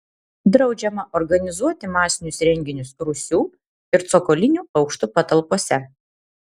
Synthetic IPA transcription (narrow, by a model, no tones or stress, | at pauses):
d̪ɾɒʊd͡ʒʲɛmɐʔɔɾɡɐnʲɪzuɔt̪ʲɪmɑːsʲɪnʲʊsɾʲɛŋʲɡʲɪnʲʊsɾʊsʲuː | ɪɾt̪sɔkɔːlʲɪnʲuːɒʊkʃt̪uːpɐt̪ɐlˠpoɔsʲɛ